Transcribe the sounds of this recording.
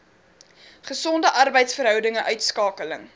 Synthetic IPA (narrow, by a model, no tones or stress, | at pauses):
χəsɔndəʔɐrbəjtsfərɦœwdəŋəʔœɥtskɑːkələ̰ŋ